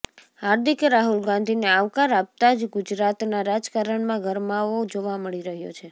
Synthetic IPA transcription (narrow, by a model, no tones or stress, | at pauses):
haɾd̪ʱikɾaɦulɡãnd̪ʱineaʋkaɾap̚t̪ad͡ʒɡʊd͡ʒɾat̪naɾad͡ʒkaɾəɳmãɡʱəɾmaod͡ʒoʋaməɭiɾəɦjo̰t͡ʃʰe